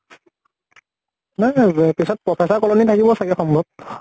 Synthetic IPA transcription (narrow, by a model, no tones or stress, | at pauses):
najpisɔt̚pɹɔpʰɛsaɹkɔlɔnitʰakibɔsakɛxɔmbʱɔb̚